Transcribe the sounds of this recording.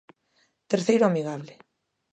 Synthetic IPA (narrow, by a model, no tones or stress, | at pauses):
t̪eɾθejɾoamiɣaβle